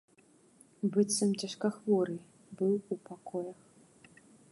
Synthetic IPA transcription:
bɨt̪sɐmt͡sʲaʂkaxvɔɾɨ | bɨwupakɔjɐx

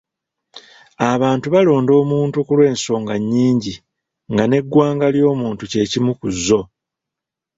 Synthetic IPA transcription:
aβaːntuβalo̞ːndo̞ːmuːntukulwe̞ːnso̞ːŋɡaɲːiːɲɟi | ŋɡane̞ɡːwaːŋɡaljo̞ːmuːntuce̞ːcimukuzːo̞

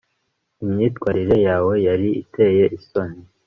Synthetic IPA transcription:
imɲiːtkwaːɾiɾe̞jaːwe̞jaɾiḭtʰe̞je̞ʔisoni

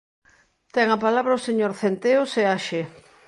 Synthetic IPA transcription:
t̪ɛŋapalaβɾɐoseɲoɾθent̪eoseaʃe

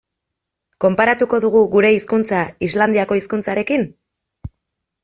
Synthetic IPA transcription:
ko̞mpaɾat̪uko̞ðuɣ̞uɣuɾe̞iskunt͡saizland̪iako̞iskunt͡saɾe̞kin

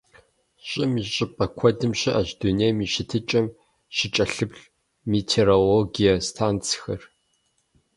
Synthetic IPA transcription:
ɕʼɪmiɕʼɪpʼɐkʷʰɔdɨmɕɪʔaʑduneːjmiːʃɪtʰɨt͡ʃʼɐm | ʃɪt͡ʃʼɐɬɨpɬ | mitʰeːɾoloɡijɐstʰaːnt͡sʰxɐr

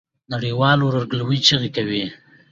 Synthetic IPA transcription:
naɽiwɑloɾaɾɡlwit͡ʃəɣikawi

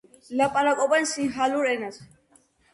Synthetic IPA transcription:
lɐpʼalakʼɔbɐnsiɦaluɾenɐs

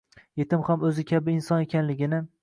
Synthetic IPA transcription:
je̞t̪ɪmhamɵzɪkʲʰabɪːnsɒne̞kʲʰanlɪɡʲɪnɪ

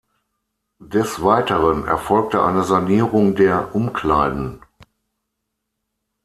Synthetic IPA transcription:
d̥ɛsv̥aɪtəʁənɛ̰ɐfɔlk̚təʔa̰ɪnəzaniːʁʊŋdeːɐʔʊmkl̥aɪdn̩

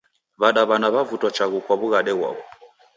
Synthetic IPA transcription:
βaɗaβanaβavutwat͡ʃaɣukwaβuɣaɗɛɣwa̰βɔ

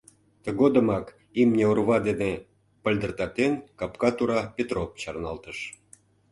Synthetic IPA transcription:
t̪ə̆ɣod̪ə̆mɑk | imnʲeurβɑd̪ene | pə̆lʲd̪ə̆rt̪ɑt̪enkɑpkɑt̪uɾɑpʲet̪ropt͡ɕɑrnɑlt̪əʃ

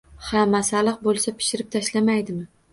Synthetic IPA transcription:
hamːasalˠɨq̚bolˠsapʰɪ̥ʃɪɾɪp̚t̪ʰaʃlamajd̪ɪmɪ

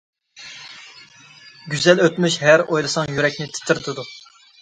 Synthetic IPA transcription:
ɡʲyzɛløt̪myʃɦæɾojlˠɨsɑŋjyɾɛk̚ʲnɪt̪ʰɪ̥t̪ʰɪɾt̪ʰɪd̪u

